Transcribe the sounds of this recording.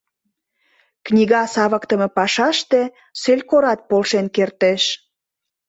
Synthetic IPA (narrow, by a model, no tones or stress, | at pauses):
knʲiɣɑsɑβəkt̪əme̽pɑʃɑʃt̪e | sølʲkoɾɑt̪̚polʃenkert̪eʃ